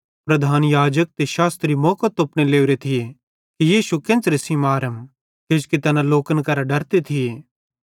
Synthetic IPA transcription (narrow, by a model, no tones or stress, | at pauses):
pɾɐd̪ʱaːnjaːd͡ʒək̚t̪eʃaːst̪ɾimɔːkət̪ʊpñeleːʊɾet̪ʰɪje | kijiːʃukɪ̃nt͡sɾesimaːɾəm | ket͡ʃkit̪ɐnãloːkənkɐɾaɖɐɾt̪et̪ʰɪjeː